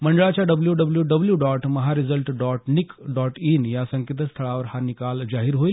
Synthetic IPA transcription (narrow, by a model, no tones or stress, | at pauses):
məɳɖəɭat͡ɕjaɖəbljuɖəbljuɖəbljuɖɔʈməɦaɾizəlʈɖɔʈnikɖɔʈinjasəŋkit̪̬əst̪ʰəɭaʋəɾhanikald͡zaɦiɾɦoil